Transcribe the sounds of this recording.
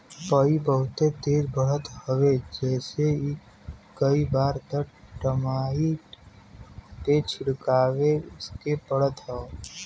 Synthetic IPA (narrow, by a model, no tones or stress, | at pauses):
pəibəɦʊt̪ed̪eːɾbəɽət̪həʋed͡ʒɛːse | kəibaːɾt̪əʈəmaːɦi | ʈet͡ʃʰʊɽkaːʋeʊskepəɽ̤ət̪ɦɛo